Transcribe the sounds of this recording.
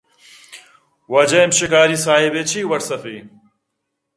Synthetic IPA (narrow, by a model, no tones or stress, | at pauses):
wɐd͡ʑɐjmɕekaːɾisaːibet͡ɕʰiːwɐʈsɐfiː